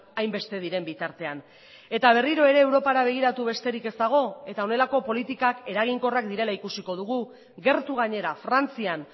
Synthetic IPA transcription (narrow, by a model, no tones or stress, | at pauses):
ajmbe̞st̪e̞ðiɾe̞mbit̪aɾt̪e̞an | e̞t̪aβ̞e̞riɾo̞e̞ɾe̞ːwɾo̞paɾaβ̞e̞ɣ̞iɾat̪uβ̞e̞st̪e̞ɾike̞zd̪aɣ̞o̞e̞t̪ao̞ne̞lako̞po̞lit̪ikake̞ɾaɣ̞iŋko̞rakd̪iɾe̞laikusiko̞ð̞uɣ̞u | ɣe̞ɾt̪uɣ̞aɲe̞ɾafɾant͡sian